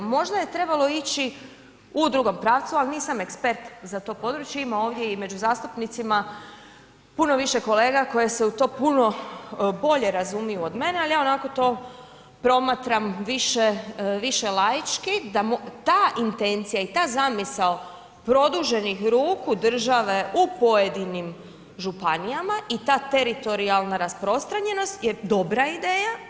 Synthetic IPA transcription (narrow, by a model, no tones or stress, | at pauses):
mo̞ʒd̪aje̞t̪ɾe̞balo̞it͡ɕi | ud̪ɾuɡo̞mpɾaːʋt̪sualˠniːsamekspe̞ɾt̪zat̪o̞ːpo̞d̪ɾut͡ʃjeimao̞ːʋd̪je̞ime̞d͡ʑuzaːst̪upnit̪sima | puno̞ʋiʃe̞ko̞leːɡako̞jese̞ut̪o̞ːpuno̞bo̞ʎe̞ɾazumijuod̪me̞nealjao̞nako̞t̪o̞ː | pɾo̞mat̪ɾamʋiʃeʋiʃe̞lajit͡ʃkid̪amt̪aːʔint̪e̞nt̪sijait̪aːzamisao | pɾo̞d̪uʒe̞nixɾuːkud̪r̩ʒaʋe̞ʔupo̞jed̪inim | ʒupanijamaʔit̪aːt̪eɾit̪o̞ɾialˠnaɾaspɾo̞st̪ɾaɲe̞no̞st̪jed̪o̞bɾaid̪e̞ːja